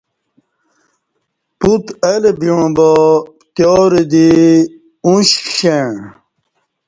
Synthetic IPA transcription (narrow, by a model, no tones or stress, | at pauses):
put̪elebiɻ̃ũbɔ | t̪jɔːɾed̪i | ũɕɕẽ